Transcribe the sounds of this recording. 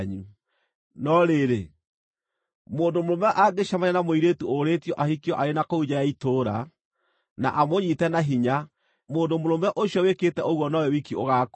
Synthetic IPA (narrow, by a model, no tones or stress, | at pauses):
ɲu | nɔɾeɾe | moːndomɾomɛʔaɡeʃamaɲanamoiɾetuoɾetiɔʔahikiɔʔaɾenakoud͡ʒajaitoɾa̰ | na̰ʔamoɲitɛnaɦiɲa | moːndomoɾomɛʔoɕijɔweketɛʔoɣwɔnɔwɛwikioɣak